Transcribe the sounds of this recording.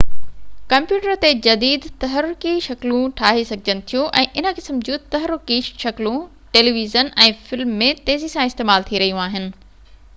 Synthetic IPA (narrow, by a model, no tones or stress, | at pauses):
kɐ̃mpjuːʈəɾt̪ed͡ʑɐd̪iːd̪t̪ɐɦəɾʊkiʃɐklũʈʰaːɦesɐɡʱd͡ʑənɪ̆t̪ʰijũʔɛ̃ːʔɪnə̆kɪsəmd͡ʑũt̪ɐɦəɾʊkiʃɐklũ | ʈeːliːʋizənɛ̃ːfɪlmːẽt̪eːzisãɪst̪eːmaːlt̪ʰiɾɐɦijũaːɦɪnɪ̆